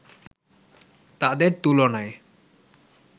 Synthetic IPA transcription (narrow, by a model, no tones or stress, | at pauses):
t̪ad̪eɾt̪ulonae